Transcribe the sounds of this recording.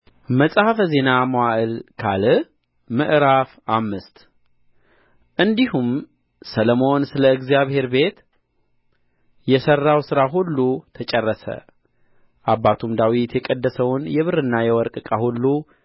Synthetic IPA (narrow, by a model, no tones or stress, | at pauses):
məsʼhafəze̞namowaʔɨlkʰalɨ | mɨʔɾafamːɨst̪ | ʔɨnd̪ihum | sələmo̞nsɨləɨɡzijaβhe̞ɾbe̞t̪ | jɛsərːawsɨɾaɦulːut̪ʰət͡ʃʼɛrːəsə̰ | ʔabːat̪ʰumd̪awit̪jɛkʼəd̪ːəsəwnjɛβɨɾɨnːajɛwɔɾkʼɨkʼahulːu